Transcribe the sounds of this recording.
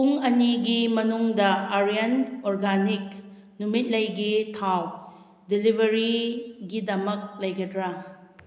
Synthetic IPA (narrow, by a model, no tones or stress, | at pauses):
puŋɐniɡimɐnuŋdɐaɾijɐnoɾɡanik̚ | numit̚lɐjɡitʰaw | dilibʱɐɾiɡidɐmɐk̚lɐjɡɐdɾɐ